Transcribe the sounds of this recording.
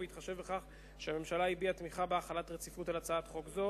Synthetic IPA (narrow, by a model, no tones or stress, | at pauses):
veitχaʃe̞vbeχaχ | ʃeame̞mʃalaibiat̪miχabeaχalatʁet͡sifutalat͡saatχo̞kzo